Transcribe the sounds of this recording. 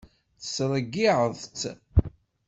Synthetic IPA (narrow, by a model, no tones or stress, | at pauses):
θə̥sɾˤəɡːiʕəðˤt͡sː